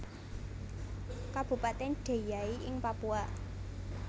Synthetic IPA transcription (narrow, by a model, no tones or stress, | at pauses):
kab̥ṳpat̪enɖ̥e̤jaiʔɪŋpapuaʔ